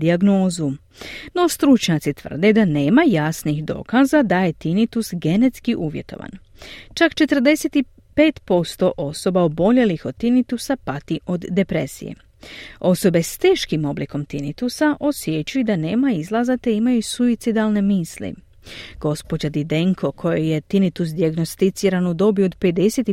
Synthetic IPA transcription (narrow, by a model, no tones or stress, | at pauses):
d̪iaɡno̞ːzu | no̞st̪ɾut͡ʃɲat̪sit̪ʋər̩d̪e̞d̪ane̞ːmajasnixd̪o̞̰ːkazad̪aje̞t̪init̪usɡe̞ne̞t̪skiʔuːʋje̞̰t̪o̞̰ʋa̰n | t͡ʃakt͡ʃe̞t̪r̩d̪e̞se̞t̪i | pe̞ːt̪po̞st̪o̞ʔo̞so̞baobo̞ʎelixo̞d̪̚t̪ːinit̪usapat̪iʔo̞d̪ːe̞pɾe̞̰sḭjḛ | o̞so̞be̞st̪e̞ːʃkimo̞bliko̞mt̪init̪usaʔo̞sje̞t͡ɕujud̪ane̞ːmaizlˠazat̪e̞imajusuit̪sid̪alˠne̞miːslḭ | ɡ̥o̞spo̞d͡ʑad̪id̪e̞ŋkʰo̞kʰo̞jeje̞t̪init̪us̬d̪iaɡno̞st̪it̪siːɾanud̪o̞biod̪pe̞d̪e̞set̪i